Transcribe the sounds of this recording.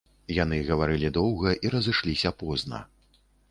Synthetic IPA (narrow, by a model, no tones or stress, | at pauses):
jan̪ɨɣɐvaɾɨlʲid̪ɔwɣɐʔiɾɐzɨʂlʲisʲɐpɔznɐ̰